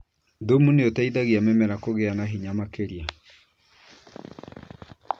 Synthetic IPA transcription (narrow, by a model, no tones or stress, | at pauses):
domuneotaiðaɣiamɛmɛɾakoɣeanaɦiɲamakeɾia